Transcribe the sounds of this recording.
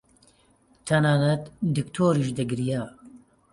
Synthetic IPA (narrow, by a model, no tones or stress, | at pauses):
t̪ʰɐnaːnɛt̪d̪ɨkt̪ʰoːɾiʃd̪ɛɡɾijaː